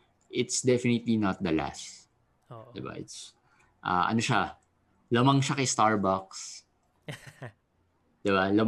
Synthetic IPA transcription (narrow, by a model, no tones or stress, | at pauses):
ʔɪt̪sd̪ɛfɪnɪt̪linɐt̪̚d̪ɐla̰s | d̪ɪba̰ʔɪ̰t̪s | ʔa̰ːʔɐ̰noʃa | lɐmɐŋʃakɐjst̪aɹbaks | d̪̥ɪbalɐm